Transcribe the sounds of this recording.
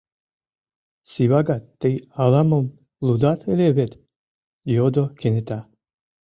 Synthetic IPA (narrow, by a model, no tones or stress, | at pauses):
siβaɡat̪ːejalamom | lud̪at̪ʰeleβet̪ | jod̪okʰenet̪a